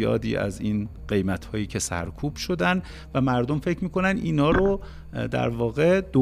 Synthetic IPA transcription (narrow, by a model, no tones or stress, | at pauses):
jɒ̰ːd̪ḭːʔæ̰ziːnɢe̞jmæt̪hɒːjiːcʰe̞sæ̰ɾkʰuːb̥ʃo̞d̪æn | væmæɾd̪omfe̞cʰmiːkʰo̞nænd̪ʔiːnɒːɾo | d̪æ̰ɾvɒːɣe̞d̪̥o